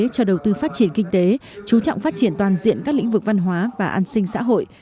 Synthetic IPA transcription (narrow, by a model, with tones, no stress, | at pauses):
t͡ɕɔ˧ɗə˨˩wt̪ɨ˧faː˦˥t̚t͡ɕi˧˩ənkï˧ŋ̟t̪e˨˦ | t͡ɕu˨˦t͡ɕɔ̰˧˨wŋ͡mfaː˦˥t̚t͡ɕi˧˩ənt̪waː˨˩nzḭ˧˨ənkaː˦˥k̚l̰ḭ˧˥ŋ̟vɨ˨˩k̚va˧nɦwaː˨˦vaː˨˩ʔaː˧nsï˧ŋ̟sa̰ː˧˥ɦo̰˧˨j